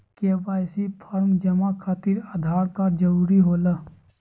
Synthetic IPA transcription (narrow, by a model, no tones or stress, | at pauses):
kebaːjsipʰəɾmd͡ʒəmakʰaːt̪iɾaːd̪ʱaːɾkad͡ʒəɾuːɾiɦoːlə